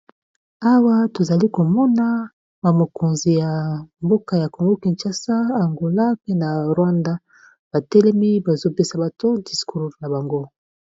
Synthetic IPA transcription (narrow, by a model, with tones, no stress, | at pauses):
a˦wa˦to˨za˨li˦ko˨mɔ˦na˦ | ba˨mo˨ko˨nzi˨ja˨mbo˦ka˨ja˨ko˨ŋɡo˦ki˨nt͡ʃa˨sa˦a˨ŋɡo˨la˦pe˦na˨ʁwa˦nda˦ | b̥a˨tɛ˦lɛ˦mi˦ba˨zo˦pe˦sa˨ba˨to˦di˨sku˦ʁna˨ba˨ŋɡo˦